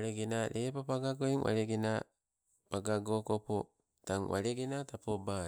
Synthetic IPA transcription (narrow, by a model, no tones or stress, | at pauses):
ɾeɡenaɾʔepapaɡaɡoiŋwʔa̰ɾeɡena | paɡaɡokopo | taŋwa̰ɾeɡenatapoba